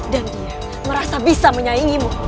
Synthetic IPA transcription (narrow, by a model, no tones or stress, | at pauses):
dandia | məɾasabisaməɲaiŋimu